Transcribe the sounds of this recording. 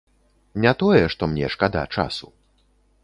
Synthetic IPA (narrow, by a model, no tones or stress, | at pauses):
nʲat̪ɔjɛʂt̪ɔmnʲɛ̰ʂkad̪a̰t͡ʂa̰su̥